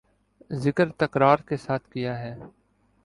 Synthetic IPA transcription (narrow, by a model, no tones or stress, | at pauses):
zɪkəɾt̪ɐkɾaːɾkesaːt̪ʰkijaɦɛː